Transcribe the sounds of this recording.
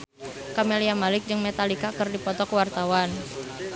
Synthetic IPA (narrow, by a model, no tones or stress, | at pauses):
kameliamalɪk̚d͡ʒɨŋmet̪alikakərdipɔt̪ɔkəwart̪awan